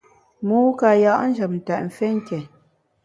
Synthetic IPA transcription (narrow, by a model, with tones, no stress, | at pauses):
muː˨˦ka˨ja˨ʔn̩˦d͡ʒə˨p̚n̩˨ta˨ʔm̩˨fɛ˦ŋ̩˦kɛ˨